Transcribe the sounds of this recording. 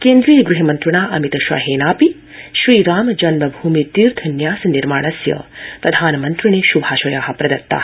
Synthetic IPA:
keːnd̪ɾiːjɐɡɾuɦɐmɐnt̪ɾɐɳaːʔɐmit̪ɐʃʋa̰ɦeːnaːpi | ʃɾiːɾaːmd͡ʒɐnmɐbʱuːmit̪iːɾt̪ʰɐnjaːsɐniɾma̰ːɳ̃ɐsjɐ̰pɾɐd̪ʱaːnɐmɐnt̪ɾiɳeːʃubʱaːʃɐjaːɦɐ̆pɾɐd̪ɐt̪ːa̰ː

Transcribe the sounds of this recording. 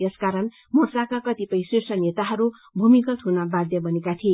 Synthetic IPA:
jeskaɾʌn | mosakakʌt̪ipʌj̃sisʈʌnet̪aɦʌɾu | bʱumikʌt̪ɦunabad̪jʌbʌnekat̪ʰie

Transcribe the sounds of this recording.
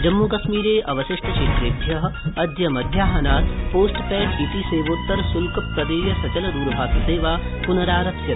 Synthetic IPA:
d͡ʒɐmːuːkɐʃmiːɾeːʔɐʋɐʃɪʂʈɐʃeːt̪ɾeːbʱjɐɦɐ̆ɐd̪ʱjɐmɐd̪ʱjaːɦɐnaːt̪poːsʈpɛːʈʰiːʈ̪iːseːʋoːt̪ːɐɾsulkɐpɾɐd̪eːjɐsɐt͡ʃɐlɐd̪uːɾɐbʱaːsɐseːʋaː | punɐɾaːɾɐtsjɐt̪

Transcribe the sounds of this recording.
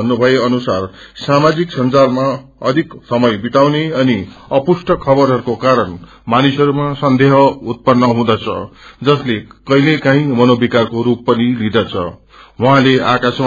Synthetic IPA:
ʌnːubʱʌeʌnusar | samad͡ziksʌnd͡zalma | ʌd̪ʱiksʌmʌjbit̪awneʌniʌpusʈʌkʰʌbʌɾɦʌɾukokaɾʌn | manisʌɾumasʌnd̪eɦʌut̪̚pʌnːʌɦũd̪at͡sʰʌ̰d͡zʌslekʌilekãɦĩmʌnobikarkoɾupːʌnilid̪ʌt͡sʰʌ̰ | wuɦãleakasm

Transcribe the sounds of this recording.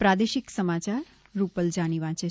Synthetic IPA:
pɾad̪eʃɪksəmat͡ʃaɾː | upəld͡ʒaniʋãt͡ʃe

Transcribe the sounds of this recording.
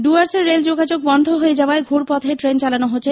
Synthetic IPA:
ɖuaɾseɾːeld͡ʑoɡad͡ʑoɡ̚bɔnd̪ʱoɦoed͡ʑaoaeɡʱuɾpɔt̪ʰeʈɾent͡ɕalanoɦot͡ɕʰe

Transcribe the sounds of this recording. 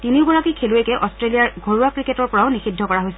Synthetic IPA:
tiniʊɡɔɹakikʰeluekɛʔɔstɹelijaɹɡʱoɹuakɹiketɔɹpɔɹaʊnixidʱːɔkɔɹaɦojsɛ

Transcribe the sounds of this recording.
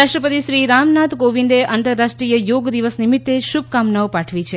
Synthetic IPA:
aʃʈəpət̪iʃɾiɾamnat̪koʋind̪eʔant̪əɾːaʃʈɾijəjoɡd̪iʋəsnimit̪ːeʃub̚kamnaopaʈʰʋit͡ʃʰe

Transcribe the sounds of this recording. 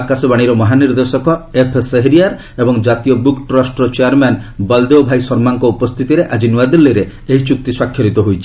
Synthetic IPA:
kasɔbaɽ̃iɾɔmɔɦaniɾd̪esɔkɔepʰeseɦeɾiaɾ | ebɔŋd͡ʒat̪iɔbukʈɾɔsʈɔt͡ʃeaɾmanbald̪eobʱajsɔɾmaŋkɔupɔst̪ʰit̪iɾeʔad͡ʒinuad̪ilːeɾe | eɦit͡ʃuk̚t̪iswakʰːjɔɾit̪ɔɦojt͡ʃʰi̥

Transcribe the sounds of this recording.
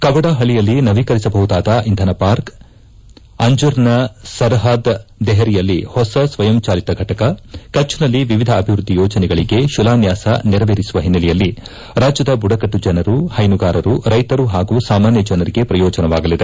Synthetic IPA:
kɐbɐɽaɦɐɭijɐlːinɐʋikɐɾisɐbɐɦud̪aːd̪ɐʔind̪ʱɐnɐpaːɾk | ɐɲd͡ʒuɾnɐsɐɾɦaːd̪d̪ɛɦɐɾijɐlːihɔsɐsʋɐjɐmt͡ʃaːlit̪ɐɡʱɐʈɐkɐkɐt͡ʃːunɐlːiʋiʋid̪ʱɐːbʱiʋɾud̪ʱːijɔːd͡ʒɐnɛɡɐɭiɡe̞ʃulaːnjaːsɐ̰niɾɐʋeːɾisuʋɐɦinːɐlɛjɐlːi | ɾaːd͡ʒjɐd̪ɐbuɽɐkɐʈːud͡ʒɐnɐɾuhɐjnuɡaːɾɐɾuɾɐjt̪ɐɾuɦaːɡuːsaːmaːnjɐd͡ʒɐnɐɾiɡe̞pɾɐjɔːd͡ʒɐnɐʋaːɡɐlid̪e

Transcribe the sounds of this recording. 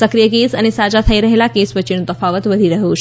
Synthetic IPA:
səkɾijək̬esañisad͡ʑat̪ʰaiɾəɦelakesʋət͡ɕiɳt̪əfaʋət̪ʋəd̪ʱiːɾəɦuː

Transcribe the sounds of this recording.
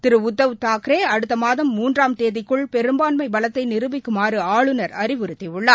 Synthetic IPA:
t̪ɪɾɯʊd̪ːɐʋɯt̪aːkɾeːɐɽɯt̪ːɐmaːðɐmːuːndraːmt̪eːðɪkːɯɭpɛɾɯmbaːnmɐɪbɐlɐt̪ːɐɪnɪɾɯbɪkːɯmaːrɯaːɭɯnɐɾɐɾɪʋɯɾɯt̪ːɪʊɭːɐː

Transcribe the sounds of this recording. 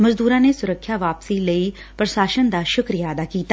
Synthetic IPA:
məzd̪uːɾãːneːsʊɾəkʰːjaːʋaːpsiːləiː | pɾəʃaːʃənd̪aːʃʊkɾijaːəd̪aːkiːt̪a

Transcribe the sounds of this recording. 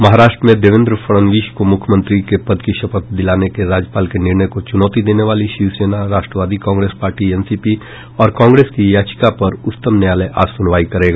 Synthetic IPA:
mɐɦaːɾaːʃʈɾəmẽd̪eːʋɪ̃nd̪ɾəfʰɐɽənʋiːʃkomʊkʰjmə̃nt̪ɾikepɐd̪kiʃɐpək̚d̪ɪlaːnekeɾaːd͡ʒjəpaːlkenɪɾɳəjkot͡ʃʊnɔːt̪id̪eːneʋaːliʃiʋseːnaɾaːʃʈɾəʋaːd̪ikãːŋɡɾeːspaːɾʈiɛnsiːpi | ɔːɾkãːŋɡɾeːskijaːt͡ʃɪ̥kapɐɾʊtt̪əmnjaːləjʔa̰ːsʊnʋaːikɐɾeːɡa

